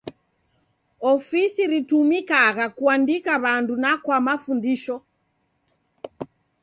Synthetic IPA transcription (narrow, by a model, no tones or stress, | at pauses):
ɔfisiɾitumikaɣakuandikaβandunakwamafundiʃɔ